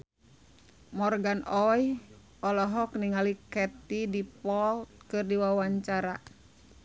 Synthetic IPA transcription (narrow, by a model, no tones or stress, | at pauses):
mɔrɡanʔɔj | ʔɔlɔɦɔkniŋalikɛt̪idipɔlt̪̚kɨrdiwawaɲt͡ʃaɾa